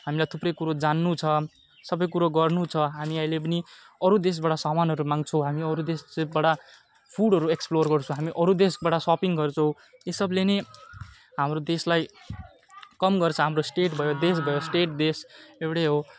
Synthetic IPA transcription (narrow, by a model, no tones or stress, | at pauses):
ɦamilajt̪ʰuprʌjkuɾod͡zanːut͡sʰʌ | sʌbʌjkuɾoɡʌrnut͡sʰʌɦamiʌjlep̬ʌni | ʌɾud̪es̬baʈasamanɦʌɾumaŋt͡sʰʌw̃ɦamiʌɾud̪esbaʈa | pʰuɽɦʌɾueksplorɡʌrt͡sʰõɦamiʔʌɾud̪esbaʈasɔpiŋɡʌrt͡sʰʌw̃ | esʌblene | ɦamrod̪eslaj | kʌmɡʌrt͡sʰʌɦamrosʈeʈbʱʌjod̪es̬bʱʌjosʈeʈ̚d̪esewɽeɦo